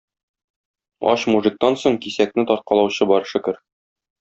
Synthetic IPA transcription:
ɒ̰ɕmuʐɘ̆k̚t̪ɑnsoɴkisæk̚nɘt̪ɒɾt̪̚qɑlˠɑwɕɤbɒɾʃɘ̆kɘɾ

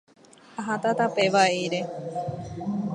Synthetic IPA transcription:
aɦat̪at̪apeʋaiɾe

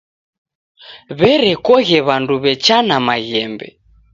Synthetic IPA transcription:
βɛɾɛkɔɣɛβanduβɛt͡ʃanamaɣɛmbɛ̰

